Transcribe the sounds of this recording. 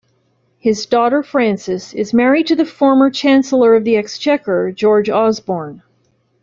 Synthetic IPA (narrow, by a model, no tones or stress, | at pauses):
hɪzdɔɾə˞fɹæ̃nsɨsɪzmɛɹid̚tʰɨðɨfɔɹmə˞t͡ʃʰæ̃nsl̩ˠə˞ʌvðiɛkst͡ʃʰɛkə˞d͡ʒɔɹd͡ʒɔzbɔɹn